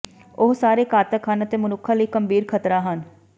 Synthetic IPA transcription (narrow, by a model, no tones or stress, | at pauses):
ʊɦsaːɾeːkaːt̪əkɦənət̪eːmʊnʊkʰːãːləiːkəmbiːɾkʰət̪ɾaːɦən